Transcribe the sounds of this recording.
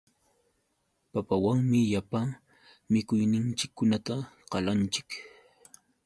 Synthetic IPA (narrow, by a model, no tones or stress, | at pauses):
papawaŋmɪjapaŋ | mɪkʊjnɪnt͡ʃɪkːʊnat̪aqɑlant͡ʃɪ̥k